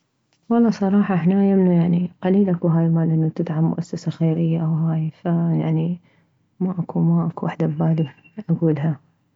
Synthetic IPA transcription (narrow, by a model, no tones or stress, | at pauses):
wɑlˤːɑːsˤɑɾˤɑːħɑʔɪħnajamnujaʕniqaliːlʔakuɦaːjlmaːlʔɪnːat̪ɪd̪ʕamːʊ̰ʔasːasaxeːɾɪjːaʔawɦaːjfajaʕni | maʔakumaʔakuwaħd̪abaːlɪb | ʔaɡuːlɦa